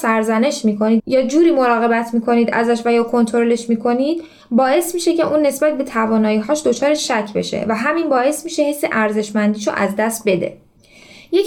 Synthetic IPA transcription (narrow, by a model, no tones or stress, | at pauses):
sæɾzæne̞ʃmiːkʰoniːd̪jɒːd͡ʒuːɾiːmoɾɒːɣe̞bæt̪ʰmiːkʰo̞niːd̪æ̰zæʃvæjɒːkʰo̞nt̪ʰoɾole̞ʃmiːkʰo̞niːd̪̥ | bɒːʔe̞smiːʃe̞cʰeʔuːnːe̞sbæt̪̚ʰbe̞t̪ʰævɒːnɒːiːɦɒːʃd̪o̞t͡ʃʰɒːɾeʃæcʰbe̞̰ʃe̞̰væɦæminbɒːe̞smiːʃe̞hesːeʔæɾze̞ʃmænd̪iːʃo̰ʔæzd̪æst̪̚be̞d̪ḛ | je